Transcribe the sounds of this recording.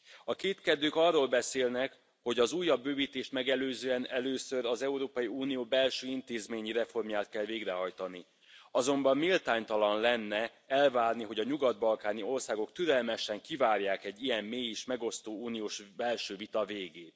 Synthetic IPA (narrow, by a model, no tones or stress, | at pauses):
ɒkeːt̪kɛd̪øːkɒrːoːlbɛseːlnɛk | ho̞ɟɒzuːjːɒbːøːviːt̪eːʃt̪mɛɡɛløːzøːɛnɛløːsøɾɒzɛuɾoːpɒjiuːnijoːbɛlʃøːint̪eːzmeːɲiɾɛfo̞rmjaːt̪̚kɛlveːɡrɛɦɒjt̪ɒni | ɒzo̞mbɒmːilt̪aːɲt̪ɒlɒnlɛnːɛ | ɛlvaːrniɦo̞ɟɒɲuɡɒd̪̚bɒlkaːnio̞rsaːɡo̞kt̪yɾɛlmɛʃɛŋkivaːrjaːkɛɟːijɛmːeːjeːʃmɛɡo̞st̪oːuːnijoːʃbɛlʃøːvit̪ɒveːɡeːt̪